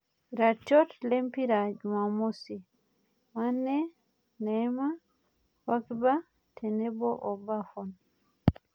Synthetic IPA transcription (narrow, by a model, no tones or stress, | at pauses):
ɾat͡ʃɔtlempiɾad͡ʒumamosi | manːɛ | nɛma | wakba | tʰɛnɛbɔʔɔbafɔn